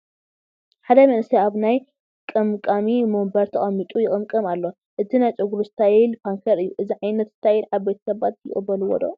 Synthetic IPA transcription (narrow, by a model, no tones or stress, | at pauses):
ħad̪ɐmɐnsiaβnaj | kʼɐmkʼamimombɐɾt̪ʰɐχʼɐmːit̪ʼujɪkʼɨmkʼɐmalːo | ʔɨt̪ʰinajt͡ʃʼoɡuɾɨst̪ʰajilpʰaŋkʰɐɾɨjːuʔɨziʕajnɐt̪zɨ̥t̪ʰajinʕaβbet̪ʰɐ̥sɐβat̪̚jɪχʼɨbɐlɨwɔ̰d̪o̰